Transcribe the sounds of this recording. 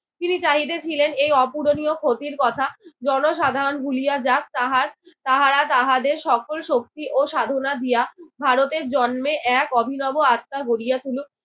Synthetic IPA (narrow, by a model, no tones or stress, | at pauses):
t̪init͡ɕaɦit̪et͡ɕʰilenejɔpuɾonijokʰot̪iɾkɔt̪ʰad͡ʑɔnoʃad̪ʱaɾonɡʱulijad͡ʑak̚t̪aɦaɾ | t̪aɦaɾat̪aɦad̪eɾʃɔkolʃok̚t̪iʔoʃad̪ʱonad̪ijabʱaɾot̪eɾd͡ʑɔnmeʔɛkɔbʱinɔboat̪ːaɡoɾijat̪ʰulu